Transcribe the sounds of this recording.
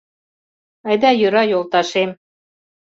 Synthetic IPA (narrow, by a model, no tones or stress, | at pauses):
ɑjd̪ɑjøɾɑjolt̪ɑʃem